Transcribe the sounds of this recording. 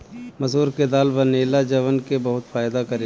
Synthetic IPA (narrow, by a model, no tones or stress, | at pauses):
mɐsɦuːɾked̪aːlbɐneːlad͡ʒɐʋənkebɐɦʊt̪faːjd̪akɐɾe